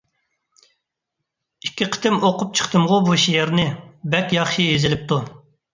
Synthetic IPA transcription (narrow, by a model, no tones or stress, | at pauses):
ikʲːiqʰə̥t̪ɪmoqʊp̚t͡ʃʰə̥χt̪ʰɨmʁʊbuʃijɛɾnɪbɛkʲjɑχʃijezɪlɪp̚t̪ʰu